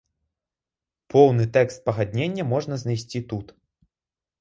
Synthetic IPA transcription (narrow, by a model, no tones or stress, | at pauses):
pɔwnɨt̪ɛkst̪̚pɐɣad̪ʲnʲenʲːɐmɔʐnɐznajsʲt͡sʲit̪ut̪